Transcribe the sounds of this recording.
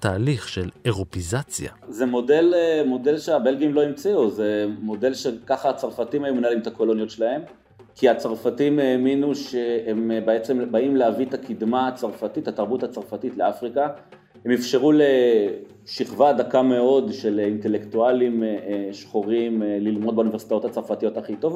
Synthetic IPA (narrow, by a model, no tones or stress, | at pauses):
t̪aːliχʃeleʁopizat͡sja̰zemo̞de̞lmo̞de̞lʃeabe̞lɡiimlo̞imt͡siuzemo̞de̞lʃekaχaːt͡saʁfatimhajumnalimt̪ako̞lo̞njotʃelahe̞m | kʰiat͡saʁfatimeːminuʃeembeet͡sembaimleavitakʰid̪mat͡saʁfatithataʁbuthat͡saʁfatitleafʁika | hemefʃeʁule | ʃiχvadakame̞o̞dʃe̞linte̞lektualimʃχoʁimlilmo̞d̪̚beuniveʁsi̥tajo̞that͡saʁfatijo̞taχito̞v